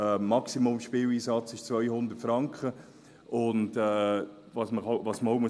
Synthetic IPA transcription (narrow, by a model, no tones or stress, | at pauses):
ɛːmɑksimomʃpiːwiːsɑt͡sɪʃt͡sʋvœjhʊnd̪ətfɾɑŋkχə | ʊndɛː | vɑsməavɑːsmoʊmu